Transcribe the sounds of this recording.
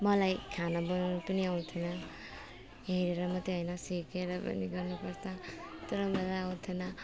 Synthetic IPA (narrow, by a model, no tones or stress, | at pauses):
mʌlajkʰanabʌnnupʌniaw̃t̪ʰʌnʌ | ɦeɾeɾʌmʌt̪ːeɦʌjnʌsikeɾʌpʌ̰niɡʌrnupʌɾt͡sʰʌ | t̪ʌɾʌmʌlajaw̃t̪ʰinʌ